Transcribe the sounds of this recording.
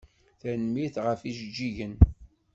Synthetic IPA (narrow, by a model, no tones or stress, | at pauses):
θænmiθʁəfiʃəd͡ʒːiʝən